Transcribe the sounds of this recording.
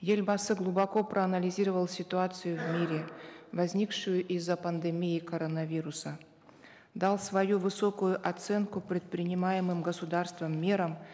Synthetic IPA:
jelʲbasɨɡlˠʊbɐko̞pɾʔəɐnəlʲɪzʲiɾəvəlˠsʲɪt̪ʊat̪sɨjʊvmʲiɾʲɪvɐzʲnʲikʂʊjʊʔizːəpənd̪ɨmʲiɪkɐɾonɐvʲiɾʊsə | d̪ɑlˠsvɐjuvɨso̞kʊjʊʔɐt̪sɛnkʊpɾʲɪt̪̚pɾʲɪnʲɪmajɪmɨmɡəsʊd̪arst̪vəmːʲeɾəm

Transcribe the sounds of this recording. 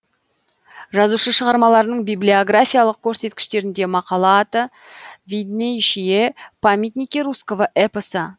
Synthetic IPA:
ʒɑzuʃəʃəʁɑɾmɑlˠɑɾənəɴbijblʲio̞ɡrafʲijalˠəq̚kʲʰɵɾse̞t̪kʲɪ̥ʃt̪e̞ɾɪnd̪e̞mɑqɑlˠɑt̪ə | vʲid̪nejʃijepʰamʲit̪nikʲiɾuskovəʔepəsə

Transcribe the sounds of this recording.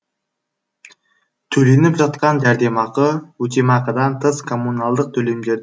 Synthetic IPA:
t̪ʰɵle̞nɪpʒɑt̪̚qɑnd̪æɾd̪e̞mɑqəwɵt̪ʲemɑqəd̪ɑnt̪ʰəskʰo̞mːunɑlˠd̪əq̚t̪ʰɵle̞md̪e̞ɾ

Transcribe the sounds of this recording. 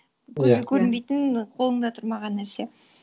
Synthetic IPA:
bɵɡʲekʲʰɵɾɪnbejt̪ɪnqʰo̞lˠəɴd̪ɑt̪ʰʊɾmɑʁɑnːæɾse̞

